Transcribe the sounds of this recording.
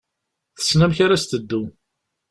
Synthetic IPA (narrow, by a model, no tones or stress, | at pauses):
θə̥snæmçaɾast̪əd̪ːu